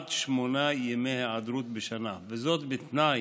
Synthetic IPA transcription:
t̪ʃmonajemeheʕad̪ɾut̪̚beʃanavezot̪bet̪na

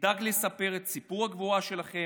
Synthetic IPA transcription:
daɡlesape̞ʁe̞t̪sipuʁhaɡvoaʃe̞laχe̞

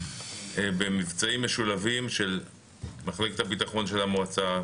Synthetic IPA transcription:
ebemivt͡saimːeʃulavimʃe̞l | maχle̞ket̪habit̪aχo̞nʃelamoat͡sa

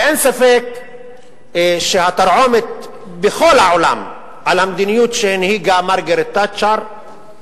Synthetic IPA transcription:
ʔensafek | ʃehat̪aɾʕo̞met̪̚ | bexo̞lhaʕola̰m | ʕalhamd̪inijut̪ʃenhiɡamaɾɡeɾet̪ːat͡ʃaɾ

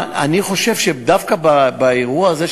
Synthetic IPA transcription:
a̰niχo̞ʃevʃed̪afkababaeʁuaːze

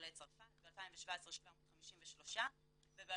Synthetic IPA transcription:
let͡sfabealpajimveʃvaesʁʃvamod̥χamiʃimveʃlo̞ʃa | vebe

